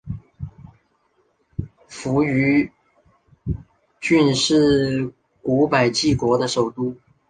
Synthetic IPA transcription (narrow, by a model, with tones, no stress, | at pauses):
fu˧˥y˧˥ | t͡ɕy˥˧nʂɻ̩˥˩ | ku˧˥pa˨˩ɪt͡ɕi˥˩kwɔ˧˥d̪ə˧ʂo˨˩ʊt̪u˥˧